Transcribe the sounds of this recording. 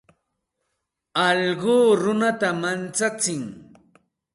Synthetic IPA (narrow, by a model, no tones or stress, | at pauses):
ɑʎɢuːɾʊnat̪amant͡sat͡sɪŋ